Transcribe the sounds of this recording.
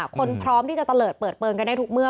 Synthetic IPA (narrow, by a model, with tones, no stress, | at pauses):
a˦kʰo˧npʰɾɔː˦˥mt̪i˥˩t͡ɕa˨˩t̪a˧lɤː˨˩t̚pɤː˨˩t̪̚plɤː˧ŋka˧nːa˧˥˩t̪ʰu˨˦˥k̚mɯ˥˩ə